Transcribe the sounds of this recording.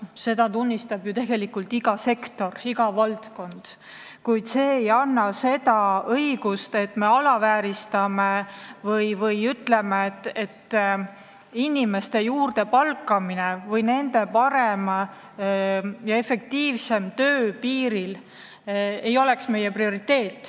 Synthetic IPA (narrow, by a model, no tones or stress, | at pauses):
se̞d̪ɑt̪unʲːist̪ɑb̥jut̪e̞ɡ̥e̞likːult̪iɡ̥ɑse̞kt̪o̞riɡɑvɑlt̪ko̞nd̪̥ | kujd̪̥se̞ːjɑnːɑse̞t̪ɑɤjiɡ̥ust̪e̞t̪ːˑme̞ɑlɑvæːɾist̪ɑme̞vɤjvɤjyt̪le̞met̪ːe̞t̪ː | inʲime̞st̪e̞juːrd̪̥e̞pɑlkːˑɑminevɤjne̞nd̪e̞pɑɾe̞m | jɑe̞fe̞k̚t̪iːvse̞mt̪øːpiːɾil | e̞jo̞le̞ksme̞je̞prio̞ɾit̪ːe̞ːt̪ːˑ